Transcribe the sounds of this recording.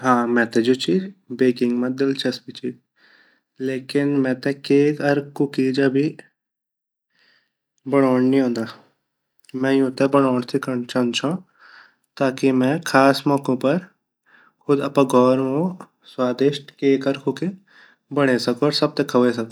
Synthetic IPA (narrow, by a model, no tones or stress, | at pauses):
ɦãːmɛ̃ːt̪ed͡ʒoːt͡ʃiːd͡ʒbeːkɪ̃ŋɡmɐ̃d̪ɪlt͡ʃʰɐsbit͡ʃiː | leːkɪnmɛ̃ːt̪ekeːkɐɾkʊkiːd͡ʒɐbʱi | bɐɽ̃ɔːɳnĩɦõːnd̪aː | mɛ̃jũt̪ebɐɽ̃ɔːɳt̪ʰikɐt͡ʃɐnt͡ʃʰã | t̪aːkimɛ̃kʰaːsmɔːkõpɐɾ | kʰʊd̪ɐpãɡʱɔːɾmõ | swaːd̪eːʃʈkeːkɐɾkʊke | bɐɽ̃esɐkoɔːɾsɐb̚t̪ekʰɐʋes̬ɐko